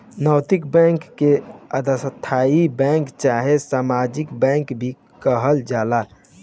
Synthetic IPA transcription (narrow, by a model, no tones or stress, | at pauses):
nəʊt̪ikbɛ̃ŋkːeəd̪əsət̪ʰːaibɛ̃ŋkt͡ʃaɦesamad͡ʒikbɛ̃ŋkbʱi | kəɦəld͡ʒala